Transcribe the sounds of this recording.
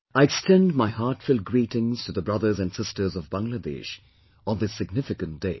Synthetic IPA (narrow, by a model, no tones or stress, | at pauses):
aɪɛkstɛ̃ndmaɪɦaɹtfʊlˠɡɹiːɾɪ̃ŋz̥tʰɨðəbɹʌðə˞zɨ̃nsɪstə˞zʌvbãŋlədḛʃ | n̩ðɪsːɨɡ̚nɪfɨkə̃nt̚d̥eɪ